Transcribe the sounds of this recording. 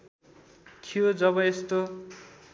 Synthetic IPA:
kʰijod͡zʌβʌest̪o

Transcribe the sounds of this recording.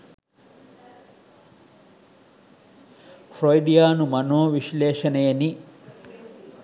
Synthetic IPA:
fɾojɖijaːnumɐnoːʋiʃleːʃɐnɐjeni

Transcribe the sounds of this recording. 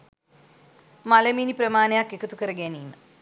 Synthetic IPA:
mɐlɐmiːnipɾɐmaːnjaːkːekːɐt̪ukɐɾɐɡeninːɐ

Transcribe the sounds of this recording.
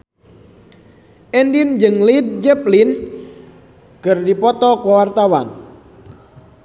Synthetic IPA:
ʔɛndind͡ʒɨŋlid̚d͡ʒɛplin | ɡ̥ərdipɔt̪ɔkɔwart̪awan

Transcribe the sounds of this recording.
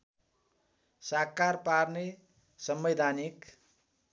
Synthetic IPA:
sakːarparne | sʌmbed̪ʱanik

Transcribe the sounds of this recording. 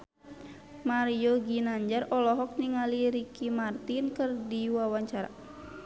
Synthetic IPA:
maɾiɔɡinaɲd͡ʒarɔlɔɦɔk̚niŋaliɾikimart̪inkɨrdiwawaɲt͡ʃaɾa̰

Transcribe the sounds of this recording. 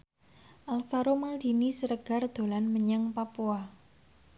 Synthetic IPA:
ʔalfaɾomald̪̥i̤nisəɾəɡ̥a̤rd̪̥o̤lanməɲaŋpapua

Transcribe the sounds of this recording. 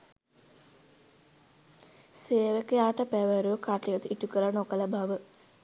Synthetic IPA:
seːʋɐkːɐjaːʈːɐpeʋɐɾoːkaːʈːiɡɐt̪ɨiʈːukːɐlɐnokːɐlɐbʱɐʋɨ

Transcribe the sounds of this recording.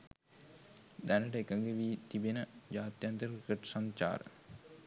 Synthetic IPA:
d̪ænəʈəekəŋɡeʋiːt̪ibenəd͡ʒaːt̪jant̪əɾikəʈsaɲt͡ʃa̰ːɾə̰

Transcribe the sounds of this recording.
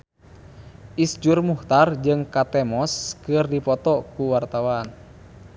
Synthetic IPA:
ʔisd͡ʒurmuht̪ard͡ʒɨŋkat̪ɛmɔskɨrdipɔt̪ɔkuwart̪awan

